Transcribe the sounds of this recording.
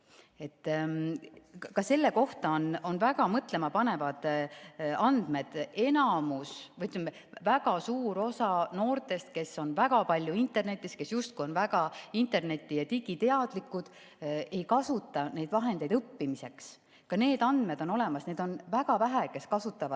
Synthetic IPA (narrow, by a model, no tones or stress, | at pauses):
e̞t̪ː | kɑse̞lːe̞ko̞ht̪ɑono̞nvæɡɑmɤt̪ˑle̞mɑpɑne̞vɑd̪̥ | ɑnd̪̥me̞d̪̥e̞nɑmusvɤjt̪ːˑylme | væɡɑsuːɾo̞sɑno̞ːrt̪ˑe̞st̪̚ke̞sːo̞nvæɡɑpɑlʲjuint̪ːˑe̞rne̞t̪ːˑiske̞sjust̪̚kujo̞nvæɡɑint̪e̞rne̞t̪ːˑijɑt̪iɡ̥it̪e̞ɑd̪̥likːud̪̥ | e̞jkɑsut̪ːˑɑne̞jd̪̥vɑɦe̞nd̪̥e̞jd̪ɤpːimise̞ks | kɑne̞ːd̪ɑnd̪̥me̞d̪̥o̞no̞le̞mɑsne̞ːd̪̥o̞nvæɡ̥ɑvæɦæke̞skɑsut̪ːˑɑvɑ̥